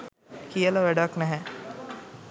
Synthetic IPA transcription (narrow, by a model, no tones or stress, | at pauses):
kijələʋæɖaknɛɦɛ